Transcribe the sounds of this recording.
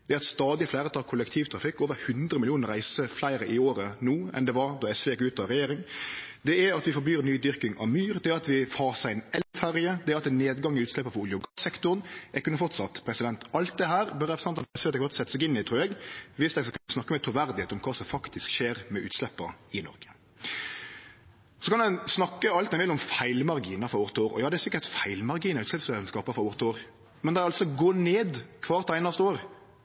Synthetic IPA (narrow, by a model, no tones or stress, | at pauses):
d̪ɛæɾɑt̪st̪ɑːd̪ɪflæɪɾət̪ʰɑlkʰʊlɛkt̪ʰiːʋt̪ʰɾɑfɪkːoːʋəɾhʉnd̪ɾəmɪlɪuːnəɾæɪsəflæɪɾəʔɪoːɾənuːɛ̰nd̪ɛʋɑɾd̪ɔɛsʋɛkʉːt̪ɑɾɛjeːɾɪŋd̪ɛæɾɑt̪ʋɪfɔblyːɾnyːd̪ʏɾkɪŋɑ̰ʋmyːɾd̪ɛæɾɑt̪ʋɪfɑːsæɪɛnɛlfæɾɪəd̪ɛæɾɑt̪ʋɪneːd̪ɡɑŋːɪʉːslɛpːəfɔɾʊljʊɡɑsɛkt̪ʊɾnʔɛɾkʉnːəfɔɾt̪sɑt̪pʰɾɛsɪd̪ɛnt̪ɑlt̪̚d̪ɛɦæːɾbœɾɛpɾsɛɑnɑpɛsɛɔt̪ɛɡfɔt̪sɛt̪əsæɪɡɪnːɪt̪ʰɾuːɛɡʋɪsd̪ɛsɔkʰɑnsnɑkːəmɛt̪ʰɾʊʋæɾd̪ɪheːt̪ɔmkʰɑːsɔmfɑkt̪ʰɪskʃeːɾmɛʔʉ̰ːt̪slɛpːə̰ɪnɔ̰ɾɡə̥ | sɔkʰɑnd̪ɛnsnɑkːəɑlt̪̚d̪ɛnʋɪlɔmfæɪlmɑɾɡiːnɑfɔɾoːɾt̪oːɾɔ̰jɑːd̪ɛæɾsɪkːət̪fæɪlmɑɾɡiːnəʉːt̪slɛpsɛːd̪ɛnskɑːpəfɔɾoːʁt̪oːɾ | mɛnd̪ɛæɑlt̪sɔɡoːneːd̪kʰʋɑːɾt̪ʰæɪnɑst̪əoːɾ